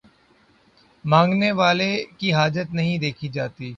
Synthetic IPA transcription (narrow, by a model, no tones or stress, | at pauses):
mãːŋɡneʋaːlekiɦaːd͡ʒət̪nɐɦĩd̪eːkʰid͡ʒaːt̪iː